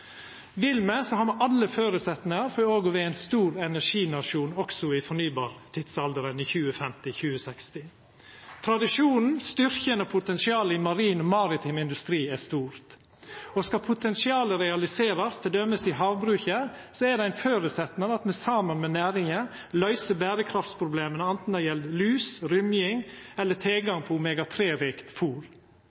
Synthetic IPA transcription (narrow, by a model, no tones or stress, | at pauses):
ʋɪlməsɔhɑːɾmɑʔɑlːəføːɾʉsɛt̪nɪŋəɾfɔoːɡʊʋɛæɪnst̪uːɾɛnæʂiːnɑʂuːnɔksɔɪfɔɳyːbɑːɾt̪ʰɪd̪sɑld̪əɾəniːçʉːəfɛmt̪ɪçʉːəsɛkst̪ɪ | t̪ʰɾɑd̪ɪʂuːnn̩st̪ʏɾçənɔpʰʊt̪ɛnsɪɑːləɪmɑɾiːnɔmɑːɾɪt̪ʰɪmɪnd̪ʉst̪ɾiːɛst̪uːɾt̪ | ɔskɑpʰʊt̪ʰɛnsɪɑːləɾɛɑlɪseːɾɑst̪ʰɪld̪œməsɪɦɑːʋbɾʉːçəsɔæɖɛæɪnføːɾʉsɛt̪nɑɾəɑt̪mɛsɑmənmɛnæːɾɪŋə | lœʏsəbæːɾəkʰɾɑft̪spʰɾʊbleːmənəɑnt̪n̩d̪ɛjɛllyːsɾʏmjɪŋɛlːət̪ʰeːɡɑŋpʰɔmeːɡɑt̪ʰɾeːɾiːkt̪fuːɾ